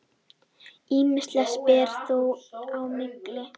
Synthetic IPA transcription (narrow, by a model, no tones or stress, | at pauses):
iːmɪst̪lɛspɛːɾθuwawmɪklɪ